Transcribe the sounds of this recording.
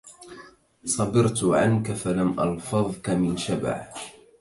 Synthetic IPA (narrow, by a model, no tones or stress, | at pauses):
sˤɑbɪɾt̪ʕa̰nkafalamʔɑ̰lfɑðˤkamɪnʃaba̰ʕ